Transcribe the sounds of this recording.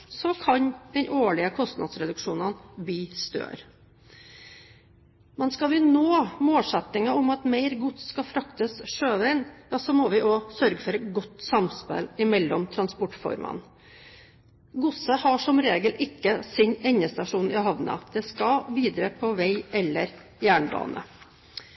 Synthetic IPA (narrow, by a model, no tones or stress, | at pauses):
sɔkʰɑɲd̪̥ɛnʔoːɭɪəkʰɔst̪nɑ̰d̪sɾɛd̪ʉkʂuːnənbiːst̪ø̰ːɾ | mɛnskɑʋɪnoːmoːlsɛt̪ɪŋɑʊmɑt̪meɪɾɡʊt̪sskɑfɾɑkt̪əsʂøːʋæɪnjɑːsɔmɔʋɪʔɔsœɾɡəfɔɾɛɡɔt̪ːsɑmspɛ̰lɪmɛlːɔmt̪ʰɾɑnspɔʈːfɔ̰ɾmʔə̰n | ɡʊsəhɑʂɔmɾeːɡəlʔɪkːəsɪnɛɲːəst̪ɑʂuːnɪhɑʋnɑ̰d̪̥ɛskɑʋiːd̪ɾəpʰɔʋæɪɛlːəɾ | jæːɳbɑ̰ːnʔə̰